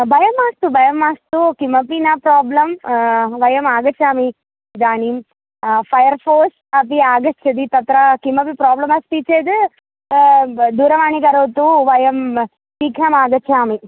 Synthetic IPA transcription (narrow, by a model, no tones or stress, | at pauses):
bʱɐjɐmːaːst̪ubʱɐjɐmːaːst̪ukimɐpinɐpɾaːblɐmʋɐjɐmaːɡɐt͡ʃʰaːmi | d̪aːnim | pʰɐjɐɾpʰoːs | ɐpiaːɡɐt͡ʃʰːɐd̪it̪ɐt̪ɾɐkimɐpipɾaːblɐmɐst̪it͡ʃːeːd̪ɨ | d̪uːɾɐʋaːɳikɐɾɐwt̪uʋɐjɐm | siːkʰɐmaːɡɐt͡ʃʰaːmi